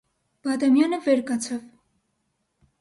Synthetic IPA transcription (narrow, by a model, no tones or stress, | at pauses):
b̥ɑd̪ɑmjɑnəvɛɾkɑt͡sʰɑv